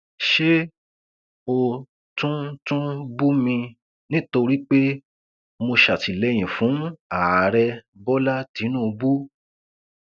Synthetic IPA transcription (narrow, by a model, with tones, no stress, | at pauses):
ʃe˦ | o˧ | tũ˦tũ˦bu˦mĩ˧ | nĩ˦to˧ɾi˦k͡pe˦ | mo˧ʃa˨ti˨lɛ˦j̃ĩ˨fũ˨˦a˨ɾɛ˧ | bɔ˦la˦tĩ˨˦nũ˦˧bu˦